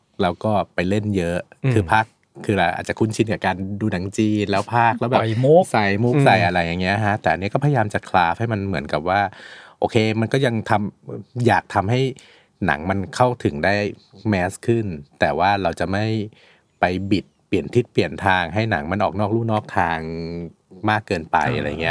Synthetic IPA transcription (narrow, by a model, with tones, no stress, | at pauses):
lɛː˦˥wkɔː˥˩pa˧jle˥˩njɤ˦˥ʔkʰɯː˧pʰa˦˥kʰː | ɯː˧ɾa˧ʔa̰˨˩t̪̚t͡ɕa˨˩kʰu˥˩nt͡ɕʰi˧nka˨˩kaː˧nduː˧na˩˦ŋt͡ɕiː˧nlɛː˦˥wpʰaː˥˩k̚lɛː˦˥wbɛː˨u˦˥sa˨˩jmu˦˥k̚sa˨˩jʔa˧ɾa˧˩jːa˨˩ŋːi˦˥ɐʔkʰa˦˥t̪ɛː˨˩ʔa˧nːi˦˥kɔː˥˩pʰːjajaː˧mt͡ɕa˨˩kʰlaː˦˥fha˥˩jma˧nmɯ˩˦nka˨˩p̚waː˥˩ʔoː˧kʰeː˧ma˧nkɔː˥˩ja˧ŋt̪ʰa˧mjaː˨˩k̚t̪ʰa˧mɦa˥˩j | na̰˩˦ŋma˧nkʰa˥˩wt̪ʰɯ˩˦ŋdaː˥˩jmɛː˦˥skʰɯ˥˩nt̪ɛː˨˩waː˥˩ɾa˧wt͡ɕa˨˩ma˥˩j | pa˧jbi˨˩t̪̚pli˨˩ənt̪ʰi˦˥t̪̚pli˨˩ənt̪ʰaː˧ŋɦa˥˩jna̰˩˦ŋma˧nʔɔː˨˩k̚nɔː˥˩k̚luː˥˩nɔː˥˩k̚t̪ʰaː˧ŋ | maː˥˩kːɤː˧npa̰˧jʔa̰˧ɾa̰˧j̰ːŋi˦˥ɐ˧